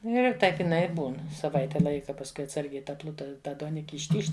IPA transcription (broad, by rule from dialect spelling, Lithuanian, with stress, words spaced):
ˈnʊ ɪr ˈtɐɪp ɪˈnɐɪ ɪ ˈbuːn sɐˈʋɐɪtʲɛ ˈlˠɐɪkɐ pɐsˈkʊɪ ɐtˈsɐrʲɡʲɛɪ ˈtɐ ˈplˠʊtɐ ˈtɐ duɔˈnʲɪkʲɪ ɪʃʲˈtʲiːʃt